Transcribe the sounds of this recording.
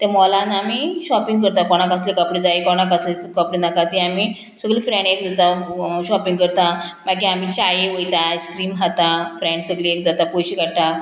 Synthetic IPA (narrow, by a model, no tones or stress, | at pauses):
t̪ɛ̃mɔlanamiɕɔpiŋɡkəɾt̪akɔɽ̃akaslekapɽid͡zajkɔɽ̃akaslet̪kapɽinakat̪iami | səɡlifɾɛ̃ɳɖekd͡zat̪aɕɔpĩŋɡkəɾt̪amakiamit͡ɕajeʋəjt̪aiskɾiːmɦat̪afɾɛ̃ɳɖsəɡliek̚d͡zat̪apojɕikaɽt̪a